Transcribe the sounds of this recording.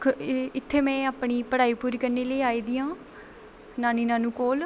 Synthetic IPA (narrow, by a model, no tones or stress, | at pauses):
ɪt̪ʰːeːmɛ̃ːaːpɳiːpəɽaːiːpuːɾiːkəɾneːləːaːiːd̪ɪːãː | naːniːnãːnũːkoːl